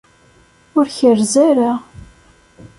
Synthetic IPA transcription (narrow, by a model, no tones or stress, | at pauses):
ʊɾçərzæɾa